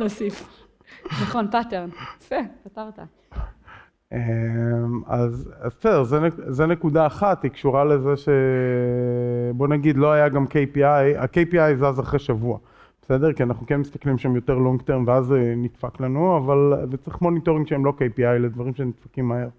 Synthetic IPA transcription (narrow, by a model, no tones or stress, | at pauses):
nosif | naχonpateʁnfepataʁt̪a | ema̰zazbesedeʁzenezenekudaːχatikʃuʁale̞zeʃe̞ | bo̞naɡid̪lo̞ajaɡamkejpiaja̰kejpiajzazaχʁeʃavua | b̥esed̪eʁkianaχnukenmist̪ḁklimʃamjo̞teʁloŋɡt̪eʁnveaznitfaklanuavalvet͡sʁiχmo̞nito̞ʁĩŋɡʃeemlo̞kejpiajle̞dvaʁimʃenitfakimːae̞ʁ